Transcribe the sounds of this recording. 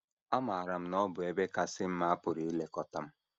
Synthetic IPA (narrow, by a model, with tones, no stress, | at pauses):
a˦ma˨a˨ɾa˨m̩˦nɔ˦bʊ˨e˦be˦ka˨sɪ˦m̩˦ma˦a˦pʊ˨ɾi˨˦i˦le˨kɔ˨ta˨m̩˦